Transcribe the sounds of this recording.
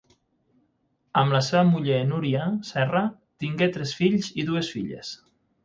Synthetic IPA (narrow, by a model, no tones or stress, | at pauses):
əmlaseβəmuʎenuɾiasɛra | t̪iŋɡet̪ɾɛsfiʎziðuesfiʎḛs